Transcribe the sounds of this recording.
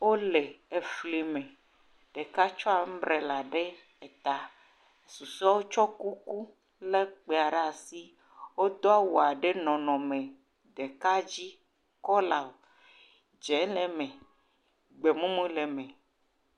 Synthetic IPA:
wo˦le˨e˨fli˨mẽ˨ | ɖ̥e˨ka˦t͡ʃɔ˦a˨m̩˦bɾe˨la˨ɖe˦ | e˨t̪a˨ | su˨sɔ˦wo˦t͡ʃɔ˦ku˦ku˦ | le˦k͡pe˨a˨ɖa˦˨si˦ | wo˦d̪ɔ˦a˦wo˨a˨ɖe˦nɔ̃˨nɔ̃˨mẽ˨ | d̪e˨ka˦d͡ʑi˦ | kɔ˦la˨o˨ | d͡ʒɛ˨˦le˨mẽ˨ | ɡ͡be˨mũ˦mũ˦le˨mɛ̃˨

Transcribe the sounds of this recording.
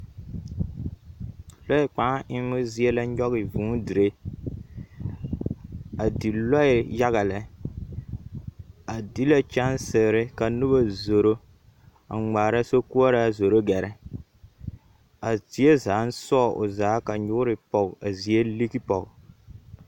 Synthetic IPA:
lɔ˦ɪ˦˨k͡pa˨˦ɪ˦mʊ˦zi˦e˦la˦ɲɔ˦ɣɪ˨vũ˨˦di˨ɾe˦ | a˨di˨lɔ˦ɪ˨ja˦ɣa˨lɛ˨˦ | a˨di˦la˦t͡ʃa˦nsɪ˨ɡɾɪ˦ka˨nu˦ba˦zo˨ɾo˦ | a˨ŋ͡maː˨ɾa˦so˦ku˦ɔ˦ɾa˦˨zo˨ɾo˦ɡɛ˨ɾɛ˦ | a˨ti˨˦e˦zaː˨˦n̩˦sɔ˦˨ʔʊ̰˨zaː˨˦ka˨ɲʊ˦ʊ˦ɾɪ˨pɔ˨ɡa˨zi˨e˦li˦ki˦pɔ˨ɡ

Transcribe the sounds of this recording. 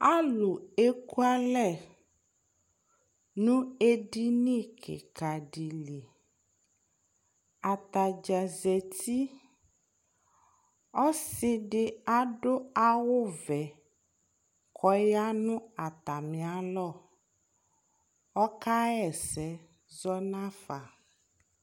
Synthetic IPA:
a˦lu˨e˦ku˦a˦lɛ˦˨ | nũ˦e˦ɖi˦nĩ˦˨kʰḛ˨ka˨ɖi˨li˨ | a˨t̪a˨d͡ʒa˨zɛ˨t̪ʰi˦ | ɔ˦si˦ɖɪ˨a˦ɖo˦a˦wo˦vɛ˨ | kʰɔ˦ja˦nũ˦a˨t̪a˨mĩ˨a˨lɔ˦˨ | ɔ˦ka˦ɛ˨sɛ˨˦ | zɔ˦nã˦fa˨

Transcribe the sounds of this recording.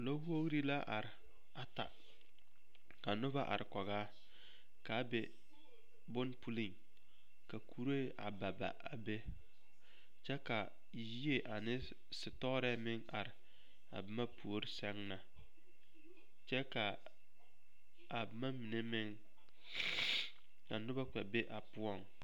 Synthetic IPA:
lo˦ho˦ɣɾi˦la˦ʔa̰˨ɾɪ˨ | a˨ta̰˨ | ka˨nʊ˦ba˦ʔa̰˨ɾɪ˨kɔ˨ɣaː˦ | ka˨˦bɛ˨ | bʊ˦npu˦li˦˨ŋ | ka˨kʰu˨ɾo˦ʔa̰˨ba˨ba̰˨ʔa˨be˦ | t͡ʃɛ˦ka˨ | ji˦e˨ʔa˨nɪ˦ | sɪ˨tɔ˦ɾɛ˦mɪ˦ŋa˨ɾɪ˨ | a̰˨bɪ˦ma˦pʰu˨o˦ɾɪ˦sɛ˦ŋna˨ | t͡ʃɛ˦ka˨ | a˨bɪ˨ma˦mi˨ne˦mɪ˦ŋ | a˨nʊ˦ba˦k͡pɛ˨be˦ʔa˨pʊ˦ɔ˦˨ŋ

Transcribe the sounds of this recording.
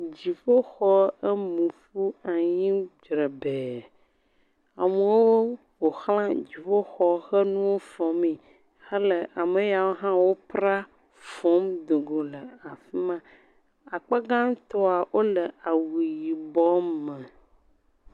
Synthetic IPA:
d͡ʑi˨fo˦xɔ˦ə˦mũ˨fu˦a˨ɲĩ˦d͡ʒɾə˨be˨ | a˨mə˨wo˦wo˦ | wo˨xlã˦d͡ʑi˨fo˦xɔ˦xə˦nũ˦wo˦fɔ˨mi˨ | xə˦lə˨ʔa˨mə˨ja˨wo˦ɦã˦wo˦pɾa˦ | fɔ˨˦md̪o˨ɡo˨lə˨a˨fi˦mã˦ | a˨k͡pə˦ɡã˦t̪ɔ˦a˨wʔo˦lə˨a˨wi˨ji˨bɔ˦mə̃˨

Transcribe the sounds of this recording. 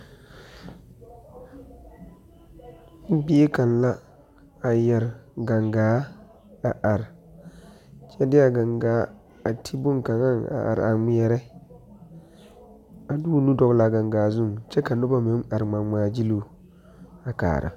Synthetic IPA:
m̩˦bi˦e˦ka˨nla˦ | a˨jɛ˨ɾɡa˨ŋɡaː˨˦ | a˨ʔa˨ɾ | t͡ʃɛ˦dɪ˦a˨ɡa˨ŋɡaː˨˦ | a˨tʰi˦bʊ˦ŋka˨ŋa˦na̰˨ʔa̰˨ɾ̰a˨ŋ͡mi˦ɛ˦ɾɛ˦ | a˨du˦nu˦dɔ˨ɡla˨ɡa˨ŋɡaː˨˦zʊ˦˨ŋt͡ʃɛ˦ka˨nʊ˦ba˦me˨˦ma˨ɾŋ͡ma˨ŋ͡maː˨˦d͡ʒi˦lu˦˨ | a˨ka̰ː˨ɾʔɨ̰˨

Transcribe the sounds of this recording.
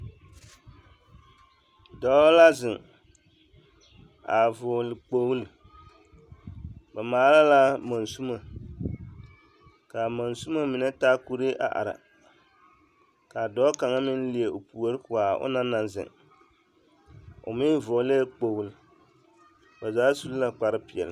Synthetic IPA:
dɔ˨˦la˦zɪ˨ŋ | a˨vo˨lɨ˨k͡po˨wl | ba˨maː˨˦la˦la˦ma˨nsu˦ma˨ | ka˨ma˨nsu˦ma˦mi˨na˦taː˦ku˦ɾe˦ʔa̰˨ʔa̰˨ɾa̰˨ | ka˨dɔː˦ka˨ŋa˦mɪ˦n˦li˨e˨o˨pu˨o˦ɾɨ˦kʊ˨a˨ʊ̰˦na˦na˨nzɪ̰˨ŋ | ʊ̰˨mɪ˦vo˨˦le˦k͡po˨wu˦l | ba˨zaː˨˦su˦lla˨k͡pa˨ɾɨ˦pɪ˨ɛ̰˨l

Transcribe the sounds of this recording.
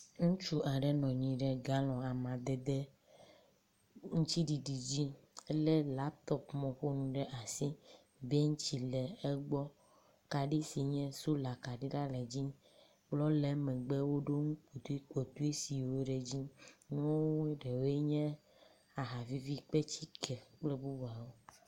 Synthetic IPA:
ŋũ˦t͡ʃu˦ʔa˨ɖɛ˨˦nɔ̃˨ɲĩ˨ɖɛ˨ɡa˦lɔ̃˨a˨mã˨d̪ɛ˨d̪e˦ | ŋũ˦t͡ɕi˦ɖi˨ɖi˨d͡ʑi˦le˦la˨t̪ɔ˨pmɔ̃˨ɸo˦nũ˨ɖɛ˦ʔa˨si˦ | be˦ŋũ˦t͡ɕi˨lɛ˨e˦ɡ͡bɔ˦ | ka˨ɖi˦si˨ɲɛ̃˦su˦la˨ka˨ɖi˦ɖa˦lɛ˨d͡ʑi˦ | k͡plɔ˦le˨˦mɛ̃˨ɡ͡be˦wo˦ɖo˦ŋũ˦k͡po˨t̪u˦i˦k͡po˨t̪u˦e˦si˨wo˦ɖe˨d͡ʑi˦nũ˦wo˦wu˦ɖe˨wo˦e˦ɲɛ̃˦ | a˨ɦa˨vi˦vi˦k͡pe˦t͡ɕi˦kʰɛ˨k͡ple˦bu˦ba˨wo˦

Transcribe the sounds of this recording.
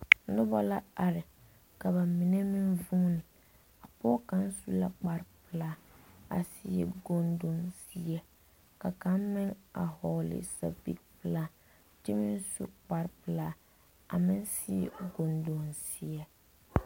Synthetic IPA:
nʊ˦bɔ˦la˦a˨ɾɪ˨ | ka˨βa˨mi˨nɛ˦mɪ˦nvuː˦nɪ˨ | a˨pɔ˦ka˦n˦su˦la˦k͡pa˨ɾpɪ˨laː˦a̰˨si˨ɛ̰˨ɡo˨ndo˨nsi˦ɛ˦ | ka˨ka˦mmɪ˦ŋa̰˨ɦɔ˨lɪ̰˨sa̰˨bḭ˦kpɨ˨˦la˦ | ti˦mɪ˦nsṵ˦k͡pa˨ɾpɨ˨laː˦ | a˨mɪ˦nsi˦ɛ̰˨ɡo˨ndo˨nsi˨ɛ˦

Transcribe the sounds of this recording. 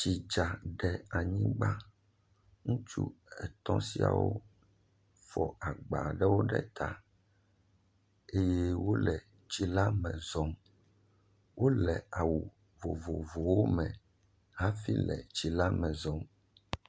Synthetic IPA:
t͡ʃi˨d͡ʒa˨ɖɛ˨a˨ɲĩ˦ɡ͡ba˦ | ŋũ˦t͡ʃṵ˦ɛ˨t̪ɔ̃˦si˦a̰˨wo̰˦ | fɔ˨a˨ɡ͡ba˨ɖɛ˦wo˦ɖɛ̰˦t̪ʰa˨ | e˦je˦wo˦lɛ˨ | t͡ʃi˦la˦mɛ̃˨zɔ˨m | wo˦lɛ˨a˨wu˨ | vo˨vo˨vo˨wo˦mɛ̃˨ | ɦa˦fi˦lɛ̰˨t͡ʃi˨la˦mɛ̃˨zɔ̃˨m

